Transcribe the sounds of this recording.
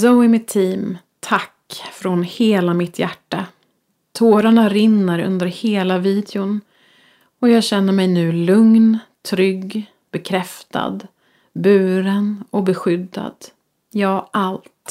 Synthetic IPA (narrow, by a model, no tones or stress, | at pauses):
zoɪmɪt̪ʰːiːm | t̪ʰakːfɾɔnheːlamɪt̪ʰjæʈːa | t̪ʰoːɾaɳaɾɪnːəɾɵ̰nd̪əɾheːlaviːd̪ɛʊn | ɔjɑːɡɕɛnːəɾmɛjnʉ̟ːlɵŋnt̪ʰɾʏɡ | b̥ɛkʰɾɛft̪ʰa̰d̪ | bʉ̟ːɾənɔbɛɧʏd̪ːa̰d̪̥ | jɑːʔalt̪